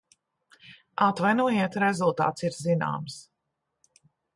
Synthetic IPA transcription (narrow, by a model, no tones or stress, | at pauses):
at̪vajnuɔjiɛt̪ɾɛzulˠt̪a̰ːt̪siɾzina̰ːms